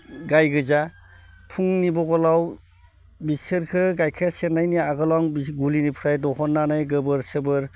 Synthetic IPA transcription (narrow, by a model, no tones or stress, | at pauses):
ɡajɡɯza | pʰuŋnibɔɡɔlaw | bisɯɾkʰɯɡajkʰesenajniaɡɯlɔŋbiɡulinipʰɾajdɔɦɔnːanajɡɯbɯɾsɯbɯɾ